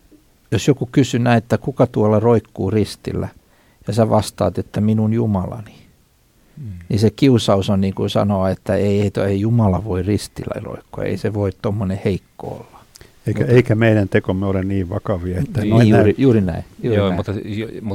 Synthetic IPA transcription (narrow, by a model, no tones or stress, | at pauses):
josjokukysynæiet̪ːækukɑt̪uɑlːɑroikːuːrist̪ḭlːæ | jɑsæʋɑst̪ɑ̰ːt̪et̪ːæminunjumɑlɑ̰ni | nisekiusɑusonniːŋkusɑ̰noɑet̪ːæeieit̪oeijumɑlɑʋoirist̪ilːæ̰iro̰ikːo̰jɑ̰ḛiseʋoit̪t̪omːoneheikːo̰o̰lːɑ̥ | eikæeikæmeiɾænt̪ekomːeolenniːʋʋɑkɑʋiɑet̪ːænoiæijuːrinæ̰iːomut̪ːmu